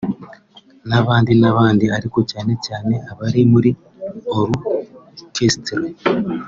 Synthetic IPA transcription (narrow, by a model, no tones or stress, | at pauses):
naβaːndinaβaːndiaɾikocaːne̞caːne̞ʔaβaɾimuɾi | oɾu | kʰestɾa